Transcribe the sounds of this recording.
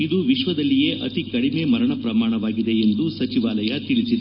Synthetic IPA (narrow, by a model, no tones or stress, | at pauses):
id̪uʋiʃʋɐd̪ɐlːije̞ːʔɐt̪ikɐɽimemɐɾɐɳɐpɾɐmaːɳɐʋaːɡid̪e̞end̪usɐt͡ʃiʋaːlɐjɐt̪iɭisid̪e